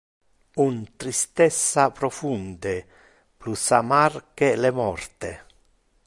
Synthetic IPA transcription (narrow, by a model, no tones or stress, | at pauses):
unt̪ɾist̪ɛsːapɾɔfund̪e | plusamarkelemɔrt̪e